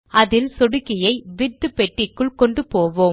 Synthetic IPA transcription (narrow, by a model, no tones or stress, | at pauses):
ʔɐðɪlsɔɽɯkːɪjɐɪʋɪɾt̪ːɯpːɛʈːɪkːɯɭkɔɳɖɯpoːʋoː